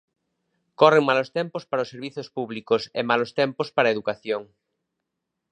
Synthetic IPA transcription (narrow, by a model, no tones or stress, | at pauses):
koreŋmalost̪ɛmpospaɾaosːeɾβiθospuβlikosemalost̪ɛmpospaɾaeðukaθjoŋ